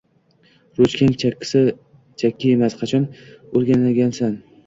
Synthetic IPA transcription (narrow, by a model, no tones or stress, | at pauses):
ɾot͡ʃkʲʰaŋt͡ʃʲːsɪ | t͡ʃʰakʲːɪjemasqʰɑt͡ʃʰɒnoɾɡʲanaɡʲansan